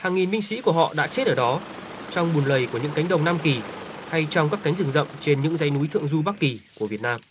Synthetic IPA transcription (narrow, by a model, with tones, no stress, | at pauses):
haː˨˩ŋːi˨˩nɓï˧ŋ̟sḭ˧˥ku˧˩əɦɔ̰˧˨ɗa̰ː˧˥t͡ɕe˦˥t̚ʔəː˧˩ɗɔ˨˦ | t͡ɕɔ˧wŋ͡mɓu˨˩nlə˨˩jku˧˩əɲɨ̰˧˥ŋka˨˦jŋ̟ɗə˨˩wŋ͡mnaː˧mki˨˩ha˧jt͡ɕɔ˧wŋ͡mkaː˦˥kːa˨˦jŋzɨ˨˧˩ŋzə̰˧˨mt͡ɕe˧nɲɨ̰˧˥ŋza˧jnu˨˦jt̪ʰɨ̰˧˨əŋzu˧ɓa˦˥k̚ki˨˩ku˧˩əvi˨˩ət̚naː˧m